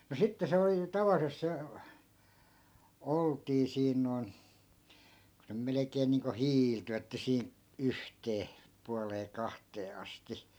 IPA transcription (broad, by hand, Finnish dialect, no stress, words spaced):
no sitːe se oli tɑʋɑlːisest̆ se oltiː siːn noi̯n ku se melekeːn niːŋko hiːlty etːæ siː yhteː puɑleː kɑhteː ɑsti